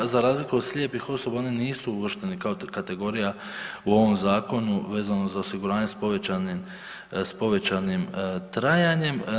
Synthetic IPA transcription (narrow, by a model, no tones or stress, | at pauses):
zaɾaːzlikuod̪slʎʲjepixo̞so̞bao̞niniːsuuʋr̩ʃt̪e̞nikaokat̪e̞ɡo̞ːɾija | uo̞ʋo̞mzaːko̞nuʋe̞ːzanozaosiɡuɾaːɲe̞spo̞ʋet͡ɕanim | spo̞ʋe̞t͡ɕanimt̪ɾajaɲe̞m